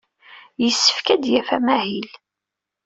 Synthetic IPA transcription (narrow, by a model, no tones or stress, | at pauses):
jəsːə̥fkæd̪jæfæmæhil